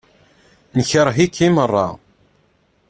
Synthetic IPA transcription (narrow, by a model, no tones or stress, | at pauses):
nəçəɾˤɦikːimərˤːɑ̰